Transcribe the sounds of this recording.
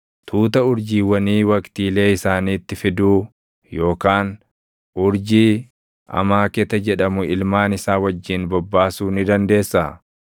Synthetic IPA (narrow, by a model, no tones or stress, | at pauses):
t̪ʰuːt̪ɐʊɾd͡ʒiːwɐniːwɐkt̪iːle̞ːɪsaːniːt̪ːɪfɪd̪uː | jo̞ːkaːn | ʔʊɾd͡ʒiː | ɐ̰maːkɛt̪ɐd͡ʒɛᶑɐmʊɪlmaːnɪsaːwɐd͡ʒːɪnbɔbːaːsuːnɪd̪ɐnd̪e̞ːsːɐ